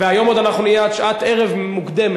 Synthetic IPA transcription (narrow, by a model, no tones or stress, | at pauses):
veajo̞mo̞d̪anaχnunijeatʃʔat̪eʁevmukd̪em